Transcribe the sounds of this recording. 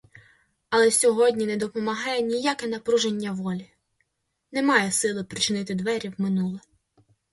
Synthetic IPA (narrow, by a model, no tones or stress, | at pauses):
ɐlˠɛsʲɔɦɔdʲnʲinɛd̪ɔpɔmɐɦɑjɛnʲijakɛnɐpɾuʒenʲːɐʋɔlʲi | nɛmɑjɛsɪlˠɪpɾʲɪt͡ʃɪnɪt̪ɪd̪ʋɛɾʲiwmɪnulˠɪ